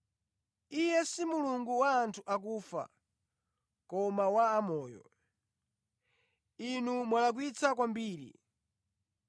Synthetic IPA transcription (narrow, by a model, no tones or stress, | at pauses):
ijɛsimuluŋɡuwaːntʰuʔak̬uːfa̰ | kɔmawaːmɔːjɔ̰ | inumwalak̬uit͡sakwambiːɾḭ